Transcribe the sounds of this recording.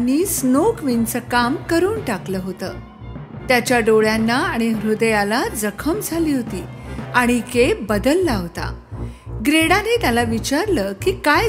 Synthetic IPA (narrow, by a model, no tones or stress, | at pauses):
ɽ̃isnokʋint͡səkamkəɾuːnʈakləːɦot̪əː | t̪jat͡ɕjaɖoɭjanːaaɽ̃iɦɾud̪əjalad͡zəkʰəmd͡zʱaliːɦot̪iːaɽ̃ikebəd̪əlːaɦt̪a̰ | ɡɾeɽanet̪jalaʋit͡ɕaɾləːkiːkaj